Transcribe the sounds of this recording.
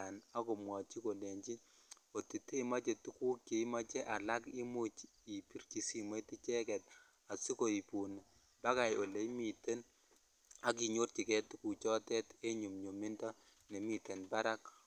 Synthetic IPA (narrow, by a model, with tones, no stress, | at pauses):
a˨na˦ko˨mwɔ˨t͡ʃi˦ko˨le˨ɲt͡ʃi˦ | o˨ti˨te˦ma˦t͡ʃe˨tu˦ku˦kke˨˦ma˦t͡ʃe˦ʔa˨la˦ki˦mu˦t͡ʃi˨pi˦rki˨si˨ma˦ti˦t͡ʃɛ˦kɛ˨t | a˨si˦ko˨i˨pu˨n˨ | ba˦ka˨jʔo˨le˦mi˨te˦n | a˦k̬i˨ɲo˦rt͡ʃi˨kɛ˦tku˨t͡ʃɔ˦tɛ˦te˦ɲu˨mɲo˨mi˦ndɔ˦ | ne˨mi˨te˨nba˦ɾa˦k